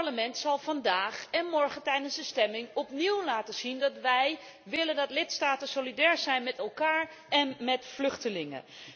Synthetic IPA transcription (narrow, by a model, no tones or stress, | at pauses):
ləmɛntsɑlˠvɑndaːχɛnmɔɹχəntɛjdənzdəstɛmɪŋɔpniwlaːtəz̥indɑtʋɛj | ʋɪləndɑtlɪtstaːtənsolidɛːɹzɛjnmɛtɛlˠkaːɹ | ɛnmɛtflɵχtəlɪŋə̰